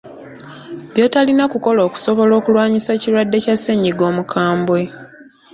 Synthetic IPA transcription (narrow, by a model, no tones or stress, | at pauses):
bjo̞talinakuko̞lo̞ːku̥so̞βo̞lo̞ːkulwaːɲisacilwadːe̞casːe̞ɲiɡo̞ːmukʰaːmbwe̞